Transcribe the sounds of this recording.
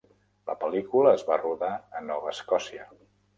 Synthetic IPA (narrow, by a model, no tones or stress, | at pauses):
lə̰pəlikuləːzβaruðaənɔβəːskɔsiə